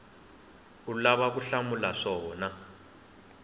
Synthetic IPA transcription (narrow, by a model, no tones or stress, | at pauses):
ulaβak̬uɬamulaʂɔːna